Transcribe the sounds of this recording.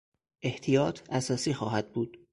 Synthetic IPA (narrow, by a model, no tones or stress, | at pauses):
ʔe̞ht̪ʰijɒːt̪ʰæsɒːsiːxɒːɦæd̪̥̚buːd̪̥